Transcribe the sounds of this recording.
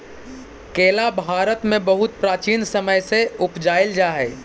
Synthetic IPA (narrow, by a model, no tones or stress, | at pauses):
keːlabʱaːɾət̪mẽbɐɦʊt̪pɾaːt͡ʃiːnsɐməjseʊpd͡ʒaːɪld͡ʒaːɦɛː